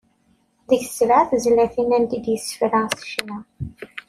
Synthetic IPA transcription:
ðəç̥slaʕθzlæθinænd̪id̪jəsːə̥fɾæsə̥ʃnæ

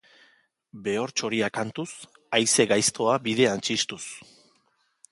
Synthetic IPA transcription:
be̞o̞ɾt͡ʃo̞ɾiakant̪us | ajse̞ɣajst̪o̞aβið̞e̞ant͡ʃist̪us

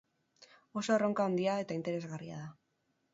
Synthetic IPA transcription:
o̞soroŋkaond̪iae̞t̪aint̪e̞ɾe̞zɣaria̰ð̞a

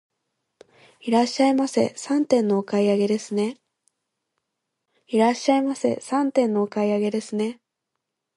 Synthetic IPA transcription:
iɾaɕːaimase̞̰sãnt̪ẽ̞nːo̞ːkaiaɡe̞d̪e̞sɨne̞ | iɾaɕːaimase̞̰sãnt̪ẽ̞nːo̞ːkaiaɡe̞d̪e̞sɨne̞

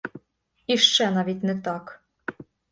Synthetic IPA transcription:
iʃt͡ʃænɑβʲit̪ʲnɘ̆k̚t̪ɑk

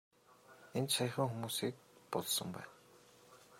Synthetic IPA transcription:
ent͡ɕʃaj̆χə̆ŋxumuːsiːk̚pɔɮsə̆mpæ̰ːn

